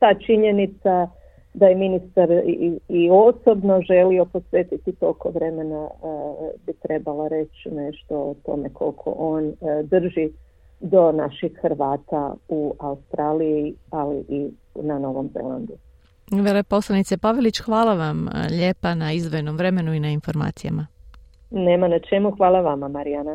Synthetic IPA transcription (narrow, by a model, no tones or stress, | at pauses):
t̪aːt͡ʃiɲenit̪sa | d̪ajeminist̪aɾiosobnoʒelio̞posʋeːt̪it̪it̪okoʋɾe̞me̞na | bit̪ɾe̞balˠaɾe̞t͡ʃneʃt̪o̞ot̪o̞̰mekʰo̞̰lkʰo̰ʔoːnd̪r̩ʒi | d̪o̞naʃixxɾʋaːt̪auaust̪ɾaːlijialiʔi | nano̞ʋo̞mzḛlˠa̰nd̪u | ʋelepo̞slˠanit̪sepaʋelit͡ɕxʋaːlˠaʋamʎe̞ːpanaizd̪ʋo̞jno̞mʋɾe̞me̞nuinainfo̞ɾma̰ːt̪sija̰ma | neːmanat͡ʃemuxʋaːlˠaʋamamaɾiana